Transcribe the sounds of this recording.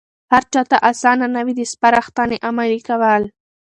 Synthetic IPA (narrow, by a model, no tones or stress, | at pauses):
haɾt͡ʃat̪aʔasɑnanawid̪əspaɾɑxt̪aneʔamalikawəl